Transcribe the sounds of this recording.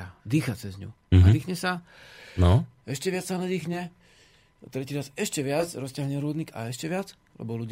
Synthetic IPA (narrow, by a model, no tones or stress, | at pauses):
ad̪iːxat͡sɛzɲṵ | ad̪iːxɲɛsa | nɔɛʃcɛʋɪat͡ssanɛd̪iːxɲɛ | t̪ɾɛciːɾasɛʃcɛʋɪat͡sɾɔstɪaɦɲɛɾuːd̪niːɡa̰ɛʃcɛʋɪat͡s | lɛ̰bɔluɟ